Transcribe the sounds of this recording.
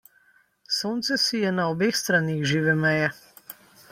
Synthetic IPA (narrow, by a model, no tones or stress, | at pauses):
soːnt̪sɛsijɛnaɔbeːxst̪ɾaːniːxʒiːʋɛmɛjɛ